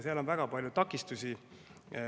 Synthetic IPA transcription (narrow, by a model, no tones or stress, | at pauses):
seɑlo̞nvæɡ̥ɑpɑlʲjut̪ɑkːˑist̪usʲi